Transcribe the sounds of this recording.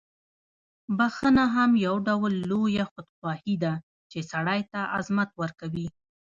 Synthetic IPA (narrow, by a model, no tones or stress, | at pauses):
baxənaɦamjawɖawlːojaxʊd̪xwɑhid̪a | t͡ʃesaɽajt̪aʔazmat̪wəɾkawi